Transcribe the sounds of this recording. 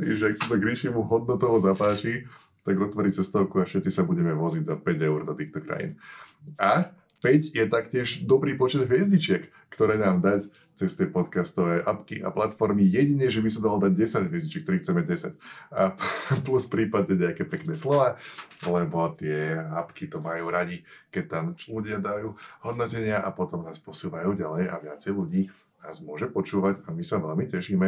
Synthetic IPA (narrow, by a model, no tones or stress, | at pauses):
aʒɛaksimɛɡɾit͡ʃɛmuɦɔd̪̚nɔt̪ɔʋɔzapaːt͡ʃi | t̪aɡɾɔt̪ʋaɾict͡sɛst̪ɔʊkuafʃɛt̪t͡sisabuɟɛmɛʋɔziɟzapɛɟɛʊɾd̪ɔt̪iːxt̪ɔkɾa̰jḭːna | pɛɟjɛt̪akcɪɛʒd̪ɔbɾiːpɔt͡ʃɛd̪ɦjɛzɲit͡ʃɪɛkːt̪ɔɾɛːnaːmd̪ac | t͡sɛst̪ɪɛpɔt̪kast̪ɔʋɛːʔapkḭʔa̰plat̪fɔɾmijɛɟiɲɛʒɛbisɔd̪alɔd̪aɟ̚ɛsaɟɦʋjɛzɲit͡ʃɪɛk̚ːt̪ɔɾiːxt͡sɛmɛɟɛsa̰capluspɾiːpad̪ɲɛɲɛakɛːpɛknɛːslɔʋaːlɛbɔt̪ɪɛapkit̪ɔmajuːɾaɟikɛc̚t̪aːmluɟɪad̪ajuːhɔd̪nɔcɛɲɪaʔapɔt̪ɔmnaːspɔsuːʋajuːɟalɛja̰ʋɪat͡sɛjluɟiː | naːzmʊɔʒɛpɔt͡ʃuːʋaɟamisaʋɛlmicɛʃiːmɛ